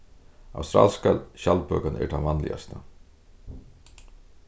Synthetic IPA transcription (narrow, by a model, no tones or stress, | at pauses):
a̰wst̪ɾa̰ːlskalɕalpœːkanɛ̰ɾt̪ʰanmanlɪ̰a̰st̪a